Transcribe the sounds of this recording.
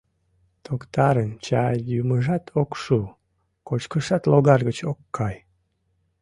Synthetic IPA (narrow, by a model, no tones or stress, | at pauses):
t̪ʰokt̪ɑɾənt͡ɕɑjuməʒɑt̪ʰokʃu | kot͡ɕkəʃɑt̪loɣɑrɣət͡ɕokːɑj